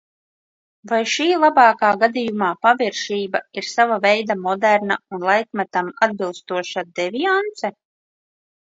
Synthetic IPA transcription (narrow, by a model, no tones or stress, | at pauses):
vajʃiːlˠabɑːkaːɡad̪ijumaːpavʲiɾʃiːbaiɾsavavɛjd̪amɔd̪æɾnaunlˠajkmat̪amad̪̚bilˠst̪uɔʃad̪ɛviant̪sɛ